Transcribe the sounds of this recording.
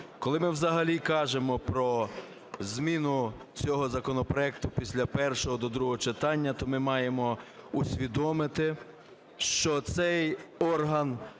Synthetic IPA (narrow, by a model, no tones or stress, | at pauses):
kɔlˠɪmɪwzɐɦɐlʲikɑʒemɔpɾɔ | zʲmʲinʊt͡sʲɔɦɔzɐkɔnɔpɾɔɛkt̪ʊpʲisʲlʲɐpɛrʃɔɦɔd̪ɔd̪ɾuɦɔɦɔt͡ʃet̪ɑnʲːɐt̪ɔmɪmɑjemɔusʲʋʲid̪ɔmɪt̪ɪ | ʃt͡ʃɔt̪sɛjɔrɦɐn